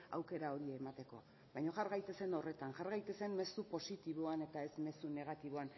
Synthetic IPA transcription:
a̰wke̞ɾao̞ɾiemat̪e̞ko̞̰a | βajɲo̞ʝaɾɣajt̪e̞se̞no̞re̞t̪anʝaɾɣajt̪e̞se̞nme̞supo̞sit̪iβ̞oane̞t̪ae̞zme̞sune̞ɣ̞at̪iβoan

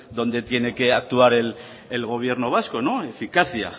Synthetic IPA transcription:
d̪o̞nd̪e̞t̪je̞ne̞keak̚t̪uaɾelː | lɣ̞o̞β̞je̞ɾnoβ̞asko̞no̞efikaθia̰

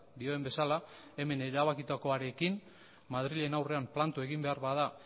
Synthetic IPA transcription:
d̪io̞embe̞salae̞me̞ne̞ɾaβ̞akit̪ako̞aɾe̞kim | maðɾiʎe̞nawre̞amplant̪ue̞ɣimbe̞aɾβaða

